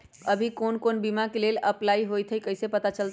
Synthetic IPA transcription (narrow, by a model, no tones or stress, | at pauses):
əbʱikonkonbimakeleləplaiɦojt̪ʰəjkəjsepət̪at͡ʃəlt̪